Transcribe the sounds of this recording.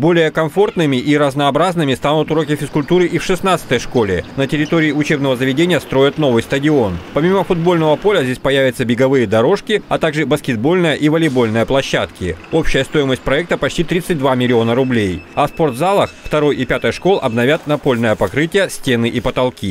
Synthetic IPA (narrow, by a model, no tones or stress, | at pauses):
bo̞lʲɪjəkɐɱfo̞rt̪nɨmʲɪʔiɾəznɐːbɾaznɨmʲɪst̪anʊt̪ʊɾo̞kʲɪfʲɪskʊlʲt̪uɾɨʔifʂɨsnat̪sɨ̥t̪əjʂko̞lʲɪnətʲɪɾʲɪt̪oɾʲɪːʊt͡ɕe̞bnəvəzəvʲɪdʲenʲɪjəst̪ɾo̞jɪt̪no̞vɨjst̪ədʲɪo̞npɐmʲiməfʊd̪̚bolʲnəvəpo̞lʲəzʲdʲesʲpɐjævʲɪt̪səbʲɪɡɐvɨjəd̪ɐɾo̞ʂkʲɪɐt̪aɡʐɨbəskʲɪd̪̚bo̞lʲnəjəʔivəlʲɪbo̞lʲnəjəplˠɐɕːat̪kʲɪ̰o̞pɕɪjəst̪o̞ɪməsʲt̚ʲpɾɐɛk̚t̪əpɐt͡ɕtʲit̪ɾʲit̪sɨt̚ʲd̪vamʲɪlʲɪo̞nəɾʊblʲejɐspo̞rt̪zalˠəxft̪ɐɾo̞jʔipʲat̪əjʂko̞lˠʔɐbnɐvʲat̪̚nɐpo̞lʲnəjəpɐkɾɨtʲɪjəsʲtʲenɨʔipət̪ɐlˠkʲi